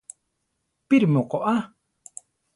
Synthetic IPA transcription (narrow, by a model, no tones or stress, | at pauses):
piɾmokoʔa